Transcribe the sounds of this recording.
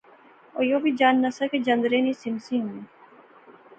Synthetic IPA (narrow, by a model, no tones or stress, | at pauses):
ojoːbʱid͡ʒaːnːɐsəked͡ʒɐ̃nd̪ɾeːnĩsɪmsĩɦũiː